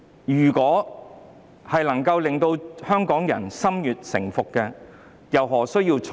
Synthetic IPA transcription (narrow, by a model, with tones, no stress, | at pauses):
jyː˨˩kɔː˨˥ | hɐ˨jlɐ˨˩ŋkɐ˧wlɪ˨ŋt̪o˧whœː˥ŋkɔː˨˥ŋjɐ̰˨˩nsɐ˥mjyː˨t̚sɪ̰˨˩ŋfʊ˨kːɛ˧ | jɐ˨˩wɦɔː˨˩sɵ˥ɥjiː˧wʰ